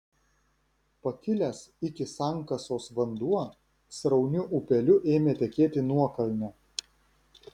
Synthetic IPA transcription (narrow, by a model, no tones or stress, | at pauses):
pɐkʲɪlʲɛsɪkʲɪsɑˑŋˑkɐsoːsʋɐnd̪uɔ | sɾɐʊnʲʊʔʊpʲɛlʲʊʔeːmʲeːt̪ʲɛkʲeːt̪ʲɪnuɔkɐlʲnʲɛ